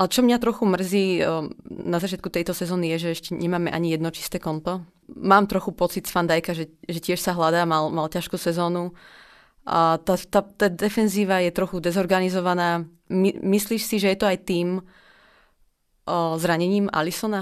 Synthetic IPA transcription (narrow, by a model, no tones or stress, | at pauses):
ʔalɛt͡ʃɔmɲat̪ɾɔxumr̩ziː | nazat͡ʃɪat̪kut̪ɛjt̪ɔsɛzɔːnijɛʒɛɛʃcɛɲɛmaːmɛʔa̰ɲijɛd̪nɔt͡ʃi̥st̪ɛːkɔnt̪ɔ | maːmt̪ɾɔxupɔt͡sit̪sfand̪ajkaʒɛʒɛcɪɛʃsaɦlad̪aːmalmalcaʃkuːsɛzɔːnu | ʔat̪at̪at̪aːd̪ɛfɛnziːʋajɛt̪ɾɔxud̪ɛzɔɾɡanizɔʋanaː | imisliːʃsiʒɛjɛt̪ɔajt̪iːm | zɾaɲɛɲiːma̰lisɔna